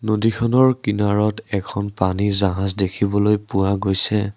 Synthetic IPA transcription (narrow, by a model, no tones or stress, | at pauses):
nodikʰɔnɔɹkinaɹɔtɛkʰɔnpanizaɦãzdekʰibɔlojpʊwaɡojsɛ